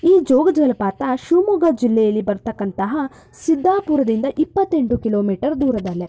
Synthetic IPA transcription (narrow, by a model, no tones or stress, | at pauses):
iːd͡ʒɔːɡɐd͡ʒɐɐlɐpaːt̪ɐʃumuɡɐd͡ʒilːɛjɐlːibɐɾt̪ɐkːɐnt̪ɐɦɐ | sid̪ʱːaːpuːɾɐd̪ind̪ɐʔipːɐt̪ːe̞ɳʈukiloːmiːʈɐɾd̪uːɾɐd̪ɐlːe